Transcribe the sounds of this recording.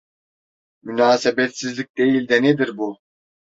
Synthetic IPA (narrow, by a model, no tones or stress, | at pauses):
mynaːsebɛt̪sizlʲik̚d̪ejilʲd̪ɛnɛd̪iɾbu